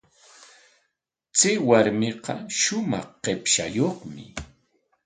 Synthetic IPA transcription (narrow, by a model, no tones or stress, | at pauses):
t͡sɪwaɾmeqɑʃʊmɑ̰χqepʃajoχmɪ